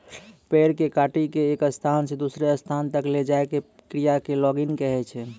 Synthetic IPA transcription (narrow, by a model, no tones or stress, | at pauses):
peɾkekaʈikeːkəst̪ʰansẽd̪usɾeəst̪ʰant̪əkled͡ʒaeke | kɾijakelɔɡinkɛɦɛt͡ʃʰɛ